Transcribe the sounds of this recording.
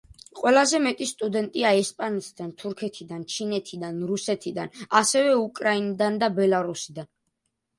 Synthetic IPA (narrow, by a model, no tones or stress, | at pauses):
qʼwɛlˠazɛmɛt̪ʼist̪ʼud̪ɛnt̪ʼiaɛspʼanɛt̪ʰid̪ant̪ʰuɾkʰɛt̪ʰid̪ant͡ʃʰinɛt̪ʰid̪anɾusɛt̪ʰid̪anasɛvɛukʼɾainid̪and̪abɛlˠaɾusid̪an